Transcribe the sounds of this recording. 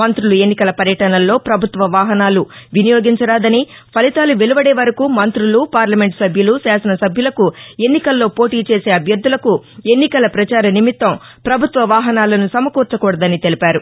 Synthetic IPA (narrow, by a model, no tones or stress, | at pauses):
ɐnt̪ɾulue̞nːikɐlɐpɐɾjɐʈɐnɐlːo̞ːpɾɐbʱut̪ʋɐʋaːɦɐnaːluʋinijo̞ːɡiɲt͡ʃɐɾaːd̪ɐni | pʰɐlit̪aːluʋeluʋɐɽeːʋɐɾɐkumɐnt̪ɾulupaːɾlɐme̞ɳʈsɐbʱjulusaːsɐnɐsɐbʱjulɐkue̞nːikɐlːo̞ːpo̞ːʈiːt͡ʃe̞ːse̞ːɐbʱjɐɾd̪ːulɐkue̞nːikɐlɐpɾɐt͡ʃaːɾɐnimit̪ʋɐm | pɾɐbʱut̪ʋɐʋaːɦɐnaːlɐnusɐmɐkuːɾt͡ʃɐkɔːɽɐd̪ɐnit̪e̞lipaːɾu